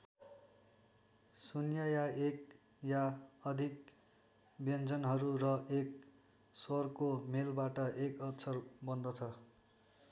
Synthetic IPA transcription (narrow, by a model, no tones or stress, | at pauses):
sunjajaek | jaʌd̪ʱik | bjʌnd͡zʌnɦʌɾurʌʔek̚ | sʌrkomelbaʈʌʔekʌtsʌrbʌnd̪ʌt͡sʰʌ